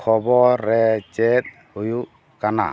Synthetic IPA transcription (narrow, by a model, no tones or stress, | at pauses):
kʰɔbɔɾɛt͡ʃɛt̪̚ | hoju | kana̰